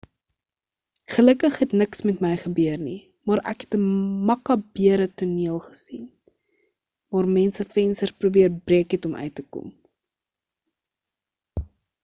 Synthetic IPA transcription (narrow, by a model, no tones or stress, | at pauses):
χələkəχɦɛtnəksmɛtmɛjχəbyərni | mɑɾæ̰kɦɛtəmɐkɑbiəɾətuniəlˠχə̥sin | vɑːrmɛnsəfɛnstəsprubiərbriəkɦɛtɔmʔœ̰ɥtəkɔ̰m